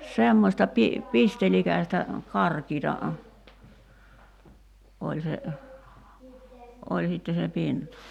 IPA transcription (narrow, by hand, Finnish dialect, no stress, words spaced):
semːosʲtɑ pi pistelikæstæ kɑrkiːtɑ olʲ se olʲ sitːe se pintɑ